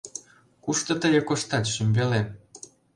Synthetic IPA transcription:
kuʃt̪ɤ̆t̪əɣekoʃt̪ɑt̪ʃymʲbele

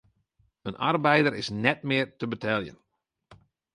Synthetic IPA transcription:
ənʔa̰rbɛjdəɾɪsnɛtmɪːrtəbətʰɛlˠjə̰n

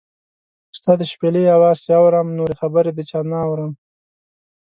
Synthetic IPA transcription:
st̪ɑd̪əʃpeleawɑzt͡ʃeawɾəmnoɾexabəɾed̪ət͡ʃɑnaːwɾəm

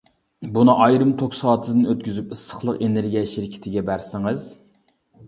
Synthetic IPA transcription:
bunɨʔɑjɾɨmt̪ʰoksɑːt̪ʰɨd̪ɨnøt̪̚kʲyzypɨsə̥χlˠəqeneɾɡʲijɛʃiɾkʲʰɪ̥t̪ʰɪɡʲɛbæɾsɪŋɨz̥

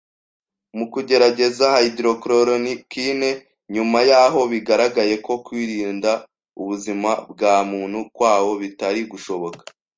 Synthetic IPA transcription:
mukuɟe̞ɾaɟe̞zahaidɾo̞kɾoɾonikiːne̞ | ɲumajaːɦo̞βiɡaɾaɡaje̞ko̞kwiːɾiːnda | uβuzimab̚ɡaːmuːnhukwaːwo̞βitaɾiɡuʃo̞βo̞kḁ

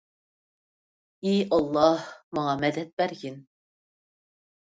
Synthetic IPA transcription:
iɑlˠːɑhmɑŋɑmɛd̪ɛt̪̚bæɾɡʲin

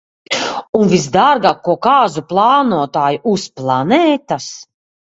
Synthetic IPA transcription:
unvisd̪aɾɡaːkːuɔkaːzuplˠɑːnuɔt̪aːjuʔusplˠanɛːt̪as

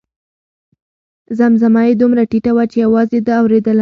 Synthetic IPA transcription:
zamzamɑjed̪umɾaʈiʈawat͡ʃejawɑzed̪əawɾed̪əl

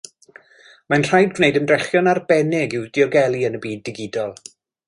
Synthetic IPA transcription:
manr̥ajd̚ɡwnejdəndrɛχjɔnarbɛnɪɡɪwdɪɔɡɛlˠiənəbiːdːɪɡɪdɔlˠ

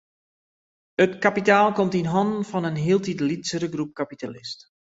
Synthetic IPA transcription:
ətkapitaːlˠkɔmtinɦɔndn̩fɔnənɦiəlˠtitlitsəɾəɡrup̚kapitalɪst

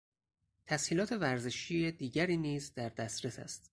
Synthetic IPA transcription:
t̪ʰæshiːlɒːt̪ʰe̞væɾzeʃiːed̪iːɟæɾiːniːzd̪æɾd̪æsɾesæ̰st̪

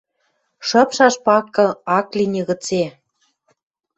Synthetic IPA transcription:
ʃɤ̆pʃɑʃpɑkɤ̆ɑklinʲeɣə̆t͡se

